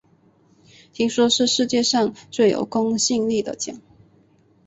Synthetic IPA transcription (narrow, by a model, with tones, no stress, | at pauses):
t̪ʰi˧˥ŋʂwɔ˥ʂɻ̩˥˧ʂɻ̩˥˧t͡ɕjɛ˥˧ʂɑ˥˧ŋt͡swe˥˩ɪjo̰˨˩ʊkʊ˥ŋɕi˥˧ŋli˥˩d̪ə̰˩t͡ɕjɑ̰˨˩˦ŋ